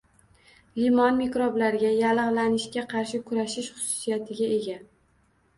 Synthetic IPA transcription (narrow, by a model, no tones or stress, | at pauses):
limɒnmekɾoblaɾɡʲajalɨʁlanɪʃkʲaqʰɑɾʃɪkʰʊɾaʃɪʃχʊ̥sʊ̥sijat̪ʰɪɡʲae̞ɡʲa